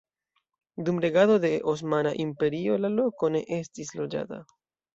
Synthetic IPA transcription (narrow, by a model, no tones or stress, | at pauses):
d̪umɾe̞ɡaðo̞ðe̞ʔos̬manaʔimpe̞ɾio̞lalo̞kone̞̰ʔestislo̞d͡ʒa̰t̪a̰